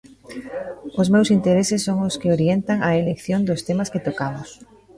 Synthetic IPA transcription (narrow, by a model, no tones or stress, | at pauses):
ʊsmewsint̪eɾesɪsːoŋoskɪoɾjent̪aŋɐelekθjond̪ʊst̪emasket̪okamʊs